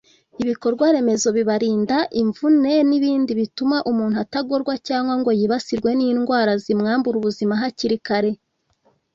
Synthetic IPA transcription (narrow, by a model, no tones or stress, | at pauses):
iβiko̞ɾɡwaɾe̞me̞zo̞βiβaɾiːndaʔiɱvune̞niβiːndiβitumaʔumuːnhuataɡo̞ɾɡwacaːŋɡwaŋɡo̞jiβasiɾɡwe̞niːnɡwaːɾazimŋaːmbuɾuβuzimaɦaciɾikaɾe̞